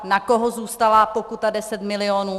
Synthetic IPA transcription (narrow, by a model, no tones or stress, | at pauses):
nako̞ɦozuːst̪alapo̞kut̪adɛsɛt̪mɪlɪonuː